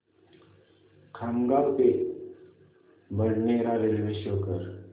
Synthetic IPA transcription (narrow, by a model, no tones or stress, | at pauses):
kʰamɡabt̪e | bəɳneɾaɾelʋeɕokəɾ